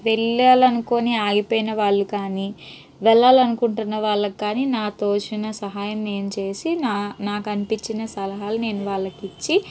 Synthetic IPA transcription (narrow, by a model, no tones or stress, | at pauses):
ʋɛɭːaːlɐnuko̞ːniaːɡipoːjinɐʋaːɭːukaːni | ʋɛɭːaːlɐnukuɳʈunːɐʋaːɭːɐkːaːninaːt̪oːʃinɐsɐɦaːjɐmne̞ːnut͡ʃe̞ːsinaːnaːkɐnipiɲt͡ʃːinɐsɐlɐɦaːlune̞ːnuʋaːɭːɐkit͡ʃːi